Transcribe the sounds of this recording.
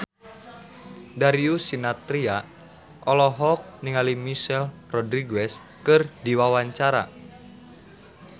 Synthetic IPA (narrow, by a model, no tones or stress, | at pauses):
daɾiusinat̪ɾia | ʔɔlɔɦɔk̚niŋalimiʃɛlrɔdɾiɡɛs | kɨrdiwawaɲt͡ʃaɾa̰